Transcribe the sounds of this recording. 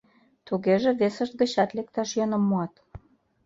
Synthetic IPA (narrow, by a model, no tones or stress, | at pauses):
t̪uɣeʒĕβesə̆ʃt̪̚ɡə̆t͡ɕɑt̪lek̚t̪ɑʃjɤnə̆mːoɑt̪